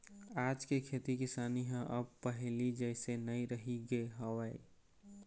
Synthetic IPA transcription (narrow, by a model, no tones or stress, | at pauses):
aːd͡ʒkekʰeːt̪ikɪsaːniɦə̃ʔəb̚pəɦlid͡ʒəɪsenəĩɾəɦiɡəeɦəwaːḭ